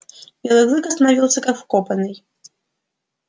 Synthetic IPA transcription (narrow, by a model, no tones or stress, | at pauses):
bʲɛlˠɛɣzɨkɐst̪ɐnavʲilˠsʲɐkɐkfkɔpɐnɨj